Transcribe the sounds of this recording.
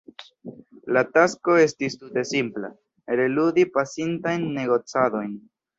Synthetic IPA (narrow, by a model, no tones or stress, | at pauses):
latasko̞e̞stistute̞simpla̰ | ɾe̞ludipasintajnːe̞ɡo̞t͡sado̞jn